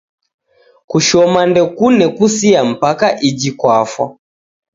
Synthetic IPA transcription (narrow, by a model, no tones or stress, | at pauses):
kuʃɔmandɛkunɛkusiam̩pakaʔid͡ʒikwafwa̰